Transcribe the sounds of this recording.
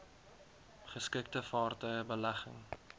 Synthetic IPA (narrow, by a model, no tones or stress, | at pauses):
χəskɪk̚təfɑːrtœjəbəlæχə̰ŋ